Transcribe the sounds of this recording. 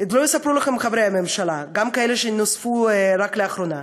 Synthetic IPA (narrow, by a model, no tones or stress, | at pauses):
ed̪lojisapɾulaχemχavɾejamemʃalaɡamkaeleʃenosfuɾakleaχɾona